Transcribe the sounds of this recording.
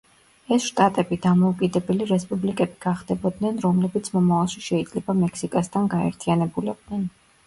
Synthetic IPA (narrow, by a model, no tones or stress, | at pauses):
ɛsʃt̪ʼat̪ʼɛbid̪amɔukʼid̪ɛbɛliɾɛspʼublikʼɛbiɡ̥aχd̪ɛbɔd̪nɛnɾɔmlɛbit̪sʰmɔmavalˠʃiʃɛid̪zlɛbamɛksikʼast̪ʰanɡaɛ̰ɾt̪ʰianɛbulɛb̚d̪nɛn